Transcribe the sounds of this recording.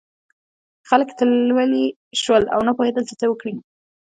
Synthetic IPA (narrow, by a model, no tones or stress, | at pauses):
xaləkt̪əlwəli | ʃwəla̰wnapohed̪əlt͡ʃət͡sawəkɽi